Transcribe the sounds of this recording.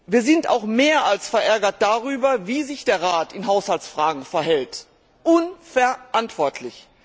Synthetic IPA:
viːɐzɪnta̰ʊxmeːɐalsfɛɐʔɛɐɡɐt̚d̥aʁyːbɐviːzɪçd̥eːɐʁaːtɪnɦaʊshalt͡sfʁ̥aːɡŋ̩fɛɐhɛlt | ʔʊnfɛɐʔantv̥ɔɐtʰlɪç

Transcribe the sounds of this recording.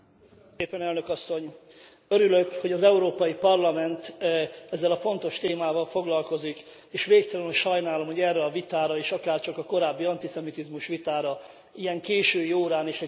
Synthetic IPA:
eːpɛnɛlnøkɒsːo̞ɲ | øɾyløkho̞ɟɒzɛuɾoːpɒjipɒrlɒmɛnt̪ɛzːɛlɒfo̞nt̪o̞ʃt̪eːmaːvɒlfo̞ɡlɒlko̞zik | eːʃʋeːkt̪ɒlɛnoʃɒjnaːlo̞mho̞ɟɛrːɛɒvit̪aːɾɒeːʃɒkaːrt͡ʃɒkɒko̞ɾaːbːiɒnt̪isɛmit̪izmuʃʋit̪aːɾɒ | ijɛŋkeːʃøːioːɾaːneːʃɛ

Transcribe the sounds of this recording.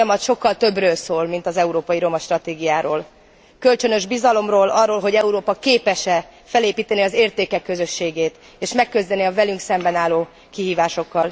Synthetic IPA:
jɒmɒt̪ʃo̞kːɒlt̪ø̞brøːlsoːlmin̪t̪ɒzɛuɾoːpɒjiɾo̞mɒʃt̪rɒt̪eːɡijaːɾoːl | kølt͡ʃø̞nø̞ʒbizɒlo̞mroːlʔɒrːoːlɦo̞ɟɛuɾoːpɒkeːpɛʃɛfɛleːpiːt̪ɛniɒzeːrt̪eːkɛkːøzø̞ʃːeːɡeːt̪ | eːʃmɛkːøzd̪ɛniɒvɛlyŋksɛmbɛnaːlːoː | kiɦiːvaːʃo̞kːɒl

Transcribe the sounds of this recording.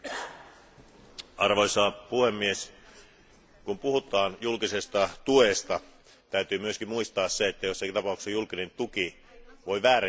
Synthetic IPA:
ɑrʋojsɑːpuhemːies | kumpuhut̪ˑɑːnjulkise̞st̪ɑt̪uest̪ɑ | t̪æyt̪yːmyøsk̟immuist̪ɑːsseet̪ːæjosːɑkint̪ɑpɑˑuksejulkine̞nt̪uki | ʋo̞jʋæːɾæ

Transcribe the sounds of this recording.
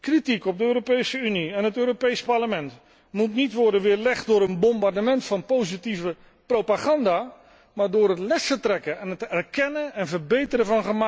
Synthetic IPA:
kritikɔp̚dəøːɾopejsəyniɛnɦətøːɾopejspaɹləmɛnt | mutnitʋɔrdənʋɪːrlɛχt̚dʊːɾənbɔmbardəmɛntfɑnpowzitivə | prowpaχɑndaː | maːɹdʊːrɦətlɛsətrɛkəɛnətɛrkɛnəɛnvərbejtərəvɑnχəma

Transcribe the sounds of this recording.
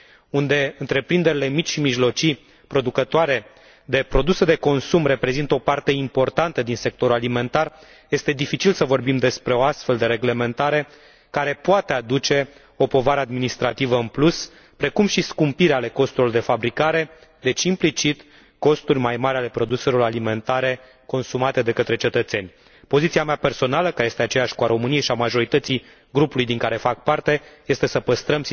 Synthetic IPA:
und̪e̞ɨnt̪ɾe̞pɾind̪e̞ɾile̞mit͡ʃʃimiʒlo̞t͡ʃi | pɾo̞d̪ukət̪oaɾe̞ | d̪e̞pɾo̞d̪used̪e̞ko̞nsumre̞pɾe̞zint̪o̞part̪e̞impo̞rt̪ant̪əd̪inse̞k̚t̪o̞ɾulalime̞nt̪ar | je̞st̪e̞d̪ifit͡ʃilsəvo̞rbimd̪e̞spɾeo̞ast̪fe̞ld̪e̞ɾe̞ɡle̞me̞nt̪aɾe̞ | kaɾe̞poat̪e̞ad̪ut͡ʃe̞ | o̞po̞vaɾəad̪minist̪ɾat̪ivəɨnplus | pɾe̞kumʃiskumpiɾeale̞ko̞st̪uɾlord̪e̞fabɾikaɾe̞ | d̪e̞t͡ʃʲimplit͡ʃit̪ | ko̞st̪urʲmajmaɾʲale̞pɾo̞d̪use̞ɾo̞ɾalime̞nt̪aɾe̞ | ko̞nsumat̪e̞d̪e̞kət̪ɾe̞t͡ʃe̞t̪ət̪se̞nʲ | po̞zit̪siameape̞rso̞naləkaɾejest̪eat͡ʃejaʃʲkuaɾo̞mɨnijeʃiamaʒo̞ɾit̪ət̪si | ɡɾupulujd̪iŋkaɾe̞fak̚part̪e̞je̞st̪e̞səpəst̪ɾəm

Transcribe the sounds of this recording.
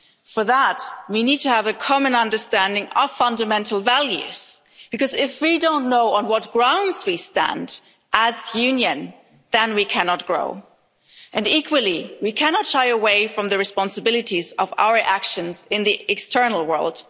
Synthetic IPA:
fə˞ðət̚winid̚tʰɨːvɨkʰɑmɨ̃nʌ̃ndə˞stæ̃ndɪ̃ŋʌv̥fʌ̃ndɨmɛ̃ntl̩ˠvælˠjʉ̰z̥ | b̥ɨkʌzɪfwidõʊ̃nːoʊə̃nwʌt̚ɡ̥ɹãʊ̃ndz̥wistæ̰̃nd | ʔəzjʉ̃njɨ̃n | ðɨ̃nwikʰænɑt̚ɡ̥ɹo̰ʊ | ʔɨ̃nikʰwəlˠiwikʰænɑtʃaɪəweɪfɹʌ̃mðɨɹɨspɑ̃nsɨbɪlˠɨɾizʌva̰ʊə˞ʔækʃɨ̃nzɪ̃nðiʔɨkstʰɜ˞nl̩ˠwɜ̰˞lˠd̥

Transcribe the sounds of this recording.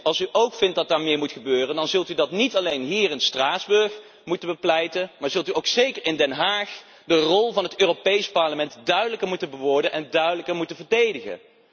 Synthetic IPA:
ɑlˠsyʔowkfɪnt̚dɑt̚daːɹmɪːɹmutχəbøːrəndɑnzɵlˠtydɑtnitɑlejnɦiːɹɪnstraːzbɵɹx | mutəbəplɛjtənmaːɹz̥ɵlˠtyowksejkəɹɪndɛnɦaːχ | dərɔlˠvɑnɦətøːropejspɑɹləmɛntdœɥdələkəɹmutənbəʋɔɹdənʔɛndœɥdələkəɹmutənvəɹdejdəχə̰

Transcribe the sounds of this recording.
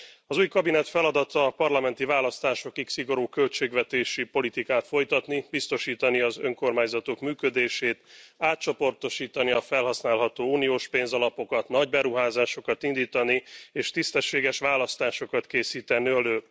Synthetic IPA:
ɒzuːjkɒbinɛt̪fɛlɒd̪ɒt̪ɒːpɒrlɒmɛnt̪ivaːlɒst̪aːʃo̞kiksiɡo̞ɾuːkø̞lt͡ʃeːɡʋɛt̪eːʃipo̞lit̪ikaːt̪fo̞jt̪ɒt̪nibist̪o̞ʃiːt̪ɒniɒzø̞ŋko̞rmaːɲzɒt̪o̞kmyːkød̪eːʃeːt̪aːt̪̚t͡ʃo̞po̞rt̪oʃiːt̪ɒniɒfɛlɦɒsnaːlɦɒt̪oːuːnioːʃpeːnzɒlɒpo̞kɒt̪nɒɟbɛɾuɦaːzaːʃo̞kɒt̪ind̪iːt̪ɒnieːʃt̪ist̪ɛʃːeːɡɛʃʋaːlɒst̪aːʃo̞kɒt̪keːsiːt̪ɛnːyløː

